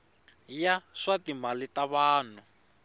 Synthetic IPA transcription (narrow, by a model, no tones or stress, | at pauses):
jaʂatimalitaβaːn̤u